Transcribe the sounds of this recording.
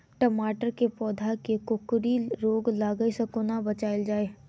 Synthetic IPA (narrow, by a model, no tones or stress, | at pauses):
ʈəmaːʈəɾkepɔːd̪ʱakekʊkɾiɾoːɡlaːɡəesɐkonabɐt͡ʃaːɪld͡ʒaːeː